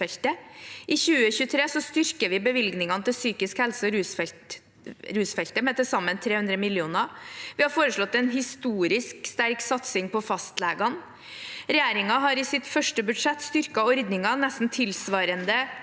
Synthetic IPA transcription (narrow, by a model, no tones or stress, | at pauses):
ɛlt̪əʔɪçʉːəçʉːət̪ʰɾeːsɔst̪ʏɾkəɾʋɪbəʋɪlɡnɪŋɑnət̪ɪlsyːkɪskhɛlsəɾʉː | ɾʉːsfɛlt̪əmɛt̪əsɑmːənt̪ʰɾeːhʉnd̪ɾəmɪljuːnɑʋɪhɑɾfoːɾəʂɭɔt̪ːɛnɦɪst̪uːɾɪskst̪æɾksɑt̪sɪŋpʰɔfɑst̪lɛːɡɑn | ɾɛjæːɾɪŋɑɦɑɾɪsɪt̪fœʂʈəbʉd̪ʂɛt̪ːst̪ʏɾkɑɔɾd̪nɪŋɑnɛst̪n̩t̪ʰɪlsʋɑːɾənd̪ə